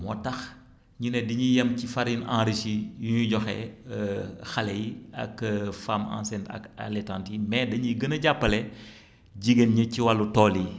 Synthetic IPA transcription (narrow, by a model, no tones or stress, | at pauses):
mɔ̰tɐx | ɲunɛdiɲijɐmcifaɾinã̰ːɾisijuɲuɟɔxɛ̰ | xɐlɛiɐ̰kfaːmã̰ːnsɛntɐ̰ka̰lɛtaːntimɛdɐɲiɡənɐɟapːɐlɛ | ɟiɡenɲɐciwalːutɔːli